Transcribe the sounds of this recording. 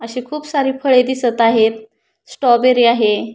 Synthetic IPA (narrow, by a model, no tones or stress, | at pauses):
əɕiːkʰuːpsaɾiːfʰəɭed̪isət̪aɦet̪̚ | sʈɔbeɾiːaɦe